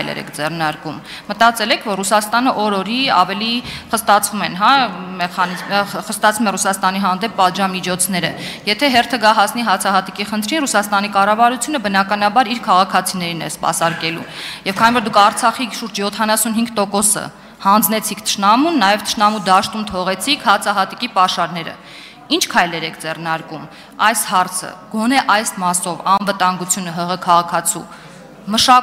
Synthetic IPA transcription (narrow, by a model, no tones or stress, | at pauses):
jlɛ̰ɾɛ̰kʰd͡zɛrnɑɾkumː | ət̪ɑt͡sɛlɛkʰvɔɾrusɑst̪ɑnəʔɔɾɔɾiɑ̰vɛliχəst̪ɑt͡sʰvumɛnɦɑmɛχɑnizmχəst̪ɑt͡sʰumɛrusɑst̪ɑniɦɑnd̪ɛpːɑt̪ʒɑmit͡ʃʰɔt͡sʰnɛɾə̰jɛt̪ʰɛɦɛrt̪ʰəɡɑɦɑsniɦɑt͡sʰɑɦɑt̪ikiχənt̪ʰɾinrusɑst̪ɑnikɑrɑvɑɾut͡sʰjunəbənɑkɑnɑbɑɾiɾkʰɑʁɑkʰɑt͡sʰinɛɾinɛ̰spɑ̰sɑɾkɛlṵjɛvkʰɑnivɔɾd̪ukʰɑɾt͡sʰɑχiʃuɾd͡ʒjɔt̪ʰɑnɑsunɦiŋɡt̪ɔkɔsə̰ | hɑnd͡znɛt͡sʰikʰt̪ʰə̥ʃnɑmunːɑjɛvt̪ʰə̥ʃnɑmud̪ɑʃt̪umt̪ʰɔʁɛt͡sʰikʰhɑt͡sʰɑɦɑt̪ikipɑʃɑɾn̪ɛɾə̰ | int͡ʃʰkʰɑjlɛɾɛkʰd͡zɛrnɑɾkum | ɑjshɑɾt͡sʰə̰ɡ̥ɔnɛʔɑjsmɑsɔvɑnvət̪ɑŋɡut͡sʰjunəɦəʁəkʰɑʁɑkʰɑt͡sʰṵ | məʃɑ